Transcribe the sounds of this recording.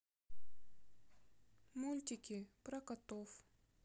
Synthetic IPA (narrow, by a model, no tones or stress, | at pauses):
mulʲt̪ʲɪkʲɪpɾɐkɐt̪of